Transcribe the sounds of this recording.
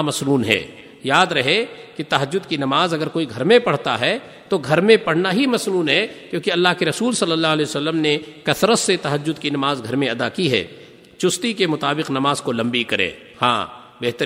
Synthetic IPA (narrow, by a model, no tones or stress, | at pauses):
mɐsnuːnɦɛ̰ː | jaːd̪ɾɐɦeket̪ɐɦəd͡ʒːʊd̪kinɐmaːzɐɡəɾkoːiɡʱɐɾmẽpɐɽ̤t̪a̰ɦɛ | t̪oɡʱɐɾmẽpɐɽ̤naɦimɐsnuːnɦɛkjõːkeɐlːaːɦkeɾɐsuːlsɐlːəlːaːɦlɛːjosɐlːəmnekɐsɾət̪set̪ɐɦəd͡ʒːʊd̪kinɐmaːzɡʱɐɾmẽɐd̪akiɦɛ̰ː | t͡ʃʊst̪ikemʊt̪aːbɪqnɐmaːzkolɐ̃mbikɐɾḛ̃ː | hã̰ː | beɦt̪